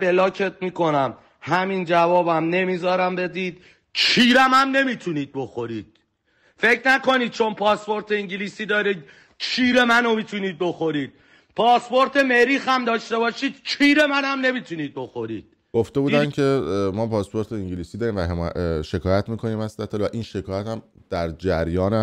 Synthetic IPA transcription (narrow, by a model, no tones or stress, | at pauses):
belɒːcʰet̪̚miːko̞næm | hæmind͡ʒævɒːbæmne̞miːzɒːɾæmbe̞d̪iːd̪̥ | t͡ʃʰiːɾæmæmne̞miːt̪ʰuniːd̪̚bo̞xo̞ɾiːd̪̥ | fe̞cʰnæko̞niːd̪̚t͡ʃʰo̞npʰɒːspo̞ɾt̪ʰe̞iŋɟiliːsiːd̪ɒːɾiːd̪ | t͡ʃʰiːɾe̞mænomiːt̪ʰuniːd̪̚bo̞xo̞ɾiːd̪̥̚ | pʰɒːspo̞ɾt̪ʰeme̞ɾiːxæmd̪ɒːʃt̪e̞bɒːʃiːd̪̥̚t͡ʃʰiːɾe̞mænæmne̞miːt̪ʰuniːd̪̚bo̞xo̞ɾḭːd̪̥ | ɡ̥oft̪e̞buːd̪æncʰe̞mɒːpʰɒːspo̞ɾt̪ʰeiŋɟiliːsid̪ɒːɾiːmvæɦemʃe̞kʰɒːjæt̪miːkʰo̞niːmæst̪æt̪ʰːelvæʔinʃe̞kʰɒːjæt̪æm | d̪̥æɾd͡ʒæɾjɒːnæ